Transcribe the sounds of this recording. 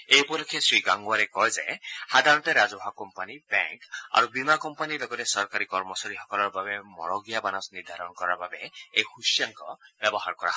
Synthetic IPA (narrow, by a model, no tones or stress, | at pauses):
ejpɔlɔkʰesɹiɡaŋɡwaɾɛkɔjzehad̪ʱaɹɔnteɾazɔɦakɔmpanibɛ̰ŋka̰ɹubimakɔmpanilɔɡɔtɛsɔɹkaɾikɔɹmɔsaɹixɔkɔlɔɹbabɛmɔ̰ɹɔɡijabanɔsniɹd̪ʱaɹɔnkɔɹaɹbabeejxusjaŋkɔb̥jɔbɔɦaɹkɔa̰ɦ